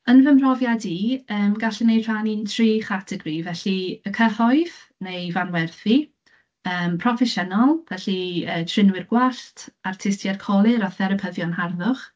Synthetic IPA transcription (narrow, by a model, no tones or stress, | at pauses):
ənvəmrɔvjadiəːmɡaɬɪnejr̥anintʰriːχatʰɛɡrivɛɬiəkʰəhɔɨð | nejvanwɛrθi | əːmpʰrɔfɛʃənɔlˠvɛɬiəːtʰrɪnwɪrɡwaɬtʰartʰɪstjɛrkʰɔlˠɪɾɔθɛɾəpʰəðjɔnɦarðʊχ